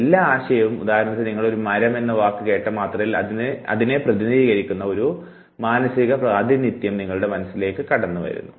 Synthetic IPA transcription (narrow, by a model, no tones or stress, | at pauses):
lːaːaːɕɐjɐʋumud̪aːɐɾɐɳɐt̪ːeniŋːɐɭo̞ɾumɐɾɐme̞nːɨʋaːkːɨke̞ːʈːɐmːaːt̪rɐmilɐnɨɐ̰ðine̞prɐðinɐðiːɣɐɾikʲːunːɐo̞ɾu | maːnɐsiɣɐpraːd̪ʱinit̪jɐmniŋːɐɭuɽe̞mɐnɐsːile̞ːkːɨkɐɽɐnːuʋɐ̰ɾṵnːu